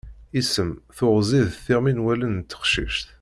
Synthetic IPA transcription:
isəmθʊʁziðθɪʁminwælənt̪ːə̥χʃḭʃt̪

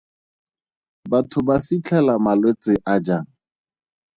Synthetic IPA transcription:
batʰʊbafit͡ɬʰɛlamalwet͡sɪʔad͡ʒaːŋ̩

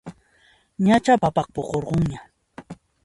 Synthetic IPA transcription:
ɲat͡ʃapapɑχ̚poqoɾɢoŋɲa

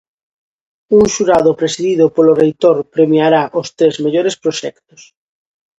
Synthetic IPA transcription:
uŋʃuɾaðʊpɾesiðiðʊpolorejt̪oɾpɾemiaɾaʔost̪ɾezmeʎoɾespɾoʃɛkt̪ʊ̥s

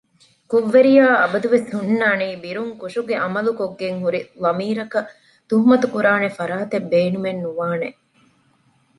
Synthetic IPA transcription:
kuʋːeɾijaːɐbɐd̪uʋeshunːaːniːbiɾuŋkuʂuɡeʔɐmɐlukoɡːeŋɦuɾilɐmiːɾɐkɐ | t̪uɦumɐt̪ukuɾaːnefɐɾaːt̪ebeːnumenːuʋaːne

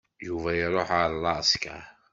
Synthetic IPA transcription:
juvæjəɾˤoħʕaɾˤlːɑsˤkæ̰

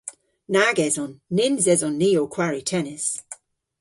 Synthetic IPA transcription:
naɡɛzɔnːɪnzɛzɔnːiːokʰwaɹitʰɛnɪs

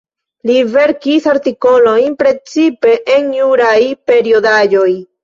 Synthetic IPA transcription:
live̞ɾkisaɾtiko̞lo̞jnpɾe̞t͡sipe̞ʔenjuɾajpe̞ɾio̞dad͡ʒo̞j

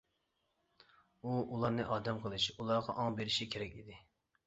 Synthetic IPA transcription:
uulˠɑɾnɨʔɑːd̪ɛmqʰəlˠɨʃulˠɑɾʁɑʔɑŋbeɾɪʃikʲʰeɾɛkʲid̪ɪ

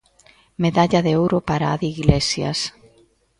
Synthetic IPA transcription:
meðaʎaðeowɾopaɾaaðiɣlesja̰s

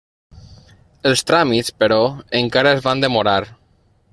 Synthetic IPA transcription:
əlˠst̪ɾamit̪spəɾɔəŋkaɾaezβand̪əmoɾaɾ

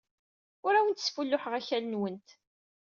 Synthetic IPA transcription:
ʊɾæwənt̪sfulːʊħəʁæçælənwənt̪

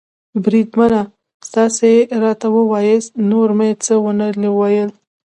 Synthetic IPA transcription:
bɾid̪mana | st̪ɑseɾɑt̪awəwɑjəsnoɾmet͡səwənəlewajəl

